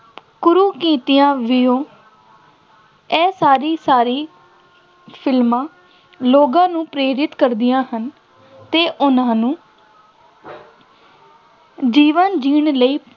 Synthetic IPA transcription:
kʊɾuːkiːt̪ɪjãːʋɪjõː | ɛːsaːɾiːsaːɾiː | pʰɪlmãː | loːɡãːnũːpɾeːɾɪt̪kəɾd̪ɪjãːhən | t̪eːʔʊnãːnũː | d͡ʒiːʋənd͡ʒiːɳləiː

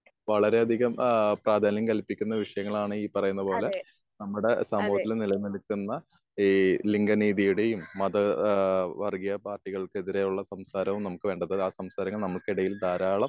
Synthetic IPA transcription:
ʋɐɭɐɾe̞ɐd̪ʱiɣɐmpraːd̪ʱaːnjɐŋkɐlpːikʲːunːɐʋiʂɐjɐŋːɐɭaːɳɨiːpɐrɐjunːɐpo̞ːle̞ | nɐmːuɽe̞saːmbʱɐʋɐt̪ːilenilɐnɐlkːunːɐ | iliŋɡɐniːðijuɽe̞jumːɐd̪ɐ | ʋɐrɡijɐpaːrʈːiɣɐɭkɨeðiɾe̞juɭːɐsɐmsaːɾɐʋumnɐmukːɨʋe̞ːɳɖɐðɨaːsɐmsaːɾɐŋːɐɭnɐmːuɭkiɽɐjild̪aːɾaːɭɐm

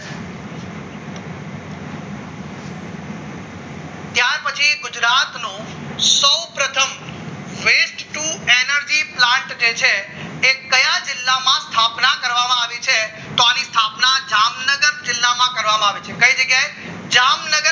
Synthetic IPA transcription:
t̪jaɾpət͡ʃʰiɡʊd͡ʒɾat̪nõ | səwpɾət̪ʰəm | ʋesʈʈuenəɾd͡ʒiplãɳʈd͡ʒet͡ʃʰe | ekəjãd͡ʒɪlːamãst̪ʰapnakəɾʋamãaʋit͡ʃʰe | t̪oanist̪ʰapnad͡ʒamnəɡəɾd͡ʒɪlːamãkəɾʋamãaʋet͡ʃʰekəid͡ʒəɡjae | d͡ʒamnəɡə

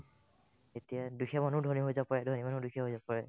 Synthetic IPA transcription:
etijaduxʰɛmanʊdʱoniɦojzapaɹɛdʱonimanudukʰɛɦojzapaɹɛ

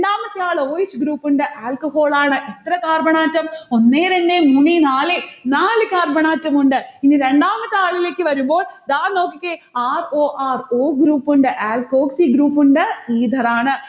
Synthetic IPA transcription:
ɳɖaːmɐt̪ːɨaːɭoːjit͡ɕːɡɾuːpːuɳɖɨʔaːlkɐho̞ːɭaːɳɨʔit̪rɐkaːrbɐɳaːtːɐmo̞nːeːɾeɳɖemunːinaːlɨnaːlɨkaːrbɐɳaːtːɐmuɳɖɨiniɾe̞ɳɖaːmɐt̪ːɨaːɭile̞ːkʲːɨʋɐɾumbo̞ːɭd̪aːnno̞ːkːikʲːeaːroːʔaːroːɡɾuːpːuɳɖɨʔaːlko̞ːksiɡɾuːpːuɳɖɨiːd̪ʱɐraːɳɨ

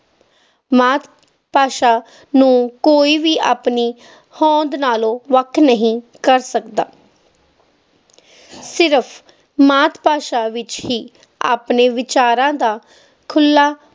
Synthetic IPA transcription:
maːt̪ | paːʃaː | nũːkoːiːʋiːʔa̰ːpniː | hɔ̃ːnd̪naːlõːʋəkʰːnəɦĩːkəɾsəkd̪a̰ː | sɪɾəpʰ | maːt̪ʰpaːʃaːʋɪt͡ʃɦiː | a̰ːpneːʋɪt͡ʃaːɾãːd̪aː | kʰʊlːaː

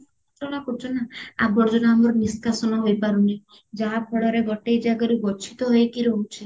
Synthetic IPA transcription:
t̪ɔɽ̃akɔt͡ʃʰɔnaabɔɾd͡ʒɔnamɔɾniskasɔnɔɦojpaɾuni | d͡ʒaɦapʰɔɽɔɾebɔʈejd͡ʒaɡɔɾuɡɔt͡ʃʰi̥t̪ɔɦoekiɾɔɦut͡ʃʰe

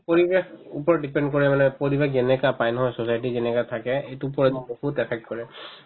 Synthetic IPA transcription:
poɹibexupɔɹɔɖipɛndk̬ɔɹɛmanɛpoɹibexzɛnɛkapajnɔɦɔjsosajt̬izɛnɛkatʰakɛejtup̬ɔɹɛzɔboxutɛpʰɛk̚tkɔɹɛ

